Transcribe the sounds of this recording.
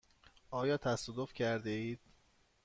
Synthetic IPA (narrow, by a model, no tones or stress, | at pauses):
ɒːjɒːt̪ʰæsɔːd̪ofcʰæɾd̪eiːd̪̥̚